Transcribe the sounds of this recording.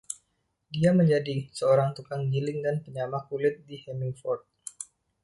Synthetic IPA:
diaməɲd͡ʒadisəoɾaŋt̪ukaŋɡilɪŋdanpəɲamakulɪt̪̚dihɛmifɔrt̪̚

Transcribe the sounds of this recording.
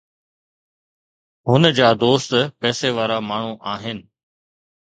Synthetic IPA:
ɦʊnəd͡ʑaːd̪oːst̪pɛːseʋaːɾamaːɳ̤uʔaːɦɪnɪ̆

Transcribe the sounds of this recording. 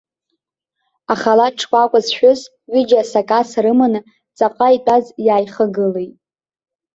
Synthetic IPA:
aχalaʈ͡ʂʰkʷʼakʷʼazʃᶣʊz | ɥɪd͡ʒasakʼasɾɨmanɨ | t͡sʼaqʼaitʷʼazjaːjχəɡɨlejtʼ

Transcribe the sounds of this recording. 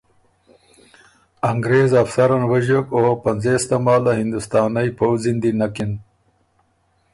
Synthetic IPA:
aŋɡɾeːzafsaɾanwɐʑokopɐnzest̪amɑːlahɪnd̪ust̪ɑːnajpowzind̪inakin

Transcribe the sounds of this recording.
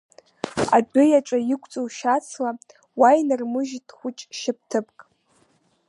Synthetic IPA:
a̰dʊjaʈ͡ʂʼajɪkʷʰʼt͡sʼowʃat͡sʰla | wajnɨrmɨʒtʰʼχʷʊt͡ʃʼʃɪp̚ʰtʰɨpʰʼkʼ

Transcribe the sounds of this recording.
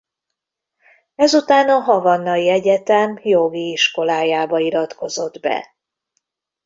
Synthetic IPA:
ɛzut̪aːnɒɦɒvɒnːɒjiɛɟɛt̪ɛmjo̞ɡiiʃko̞laːjaːbɒiɾɒt̪ko̞zo̞d̪bɛ̰

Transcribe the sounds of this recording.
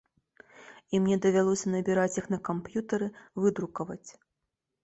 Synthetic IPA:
imnʲɛd̪ɐvʲalˠɔsʲɐnɐbʲɛɾat͡sʲjixnɐkampjut̪ɐɾɨvɨd̪ɾukɐvɐ̰t͡sʲ

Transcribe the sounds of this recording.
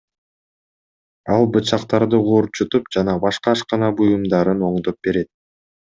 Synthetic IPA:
ɑlˠbɯt͡ʃɑqt̪ɑɾd̪ɯʁuɾt͡ʃut̪up̚d͡ʒɑnɑbɑʃqɑʃqɑnɑbujumd̪ɑɾɯno̞ɴd̪o̞p̚be̞ɾe̞t̪̚

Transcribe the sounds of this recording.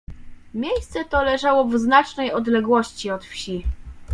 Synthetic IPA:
mʲjejst̪sɛt̪ɔlɛʐawɔvznat͡ʂnɛjɔd̪lɛɡwɔɕt͡ɕiɔt̪fɕi

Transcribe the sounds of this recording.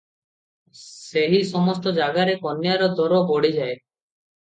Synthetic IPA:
seɦisɔmɔst̪ɔd͡ʒaɡaɾekɔnjaɾɔd̪ʱɔɾɔbɔɽid͡ʒae

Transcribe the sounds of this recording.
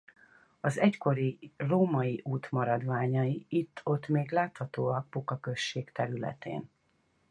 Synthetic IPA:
ɒzɛcko̞ɾiroːmɒjiʔuːt̪mɒɾɒd̪ʋaːɲɒjiit̪ʰːo̞t̪meːɡlaːt̪hɒt̪oːɒk̚pukɒkø̞ʃːeːkt̪ɛɾylɛ̰t̪ḛːn

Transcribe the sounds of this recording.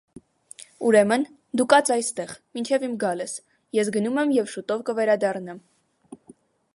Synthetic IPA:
uɾɛmən | d̪ukɑt͡sɑjst̪ɛʁmint͡ʃʰɛvimɡɑlɛs | jɛs̬ɡənumɛmjɛvʃut̪ɔvkəvɛɾɑd̪ɑrnɑm

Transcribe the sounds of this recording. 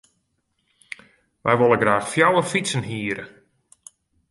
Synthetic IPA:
ʋɛjʋolˠəɡraːxfjawəfisənɦiːɾə̰

